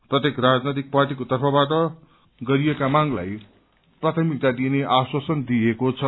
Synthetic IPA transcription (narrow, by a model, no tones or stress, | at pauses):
prʌt̪jekrad͡znet̪ik̚parʈikot̪ʌrpʰʌbaʈʌ | ɡʌɾijekamaŋla̰j | prat̪ʰʌmik̚t̪ad̪ineʔaswʌsʌnd̪iekot͡sʰʌ